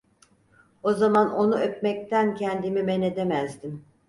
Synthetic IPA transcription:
o̞zamano̞nuøpmɛc̚t̪ʰæncʰɛnd̪imimɛne̞d̪emæzd̪im

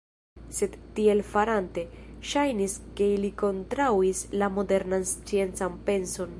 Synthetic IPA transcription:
se̞d̪tie̞lfaɾante̞ʃajniske̞iliko̞ntɾawislamo̞de̞ɾnanst͡sie̞nt͡sanpe̞nso̞n

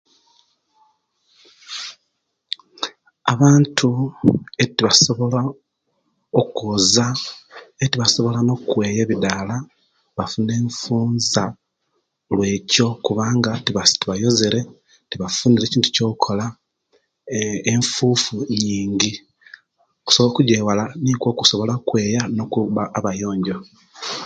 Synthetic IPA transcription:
a̰βaːntʰuetiβaso̞βo̞la | okoːza | etiβaso̞βo̞lano̞kwe̞ːje̞βidala | βafune̞ːɱfuːnza | lwe̞ːco̞kuβaːŋɡatiβatiβajo̞ze̞ɾe̞ | tiβafuniɾe̞ciːntu̥co̞ːkukʰo̞la | ɱfuːfuɲiːɲɟi | ku̥soβokuɟeːwalanikwo̞ːkuso̞βo̞lakwe̞ːjano̞kuβaːβajo̞ːɲɟo̞

